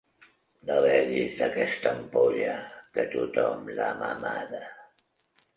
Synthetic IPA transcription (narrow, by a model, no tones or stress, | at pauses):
nəβɛʎizd̪əkɛst̪əmpoʎəkət̪ut̪ɔmlamamaðə